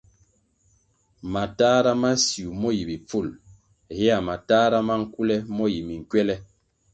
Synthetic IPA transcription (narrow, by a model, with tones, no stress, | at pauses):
ma˨ta˦ɾa˦ma˦si˨u˨mɔ˦ji˨bi˨p͡fu˦˨l | hɛ˦a˨ma˨taː˦ɾa˦ma˦ŋ̩˦ku˦lɛ˦mɔ˦ji˨mi˨ŋ̩˨kɥɛ˦lɛ˦